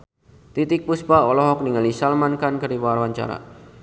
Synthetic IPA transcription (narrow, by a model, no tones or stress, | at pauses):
t̪it̪ɪk̚puspaɔlɔɦɔk̚niŋalisalmankankəɾiwaɾwaɲt͡ʃa̰ɾa̰